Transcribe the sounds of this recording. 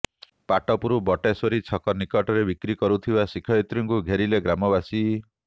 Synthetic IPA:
paʈɔpuɾubɔʈesoɾit͡ʃʰɔkɔnikɔʈɔɾebikɾikɔɾut̪ʰibasikʰɔjit̪ɾiŋkuɡʱeɾileɡɾamɔbasi

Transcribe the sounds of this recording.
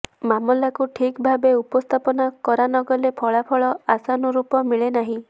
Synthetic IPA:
mamɔlakuʈʰikbʱabeupɔst̪ʰapɔnakɔɾanɔɡɔlepʰɔɭapʰɔɭɔasanɔɾupɔmiɭenaɦĩ

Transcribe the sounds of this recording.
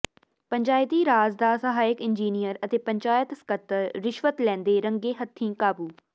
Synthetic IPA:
pəɲʲd͡ʒaːjt̪iːɾaːzd̪aːsəɦaːɪkɪnd͡ʒiːnijəɾət̪eːpəɲt͡ʃaːjət̪skət̪ːəɾɾɪʃʋət̪lɛ̃ːnd̪eːɾəŋɡeːɦət̪ʰːĩːkaːbuː

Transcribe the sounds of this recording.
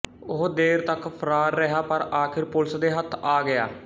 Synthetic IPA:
ʊɦd̪eːɾt̪əkpʰəɾaːɾːəɦaːpəɾaːkʰɪɾpʊlsd̪eːɦət̪ʰːaːɡɪa̰ː

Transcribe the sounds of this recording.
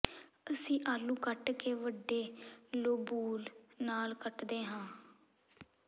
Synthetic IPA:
əsĩːʔaːlũːkəʈkeːʋəɖːeːloːbuːlnaːlkəʈd̪eːɦãː

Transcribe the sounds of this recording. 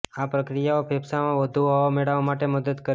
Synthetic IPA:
apɾəkɾijaopʰebsamãʋəd̪ʱuɦɔʋameɭaʋmaʈeməd̪əd̪kəɾ

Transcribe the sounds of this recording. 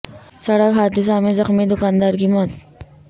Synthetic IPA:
sɐɽəkɦaːd̪ɪs̬aːmezɐxmid̪ʊkaːnd̪aːɾkimɔːt̪

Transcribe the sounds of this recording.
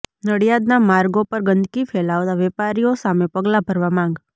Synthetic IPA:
nəɽijad̪namaɾɡopəɾɡənd̪kifʰɛlaʋt̪aʋɛpaɾijosamepəɡlabʱəɾʋamãŋ̆ɡ

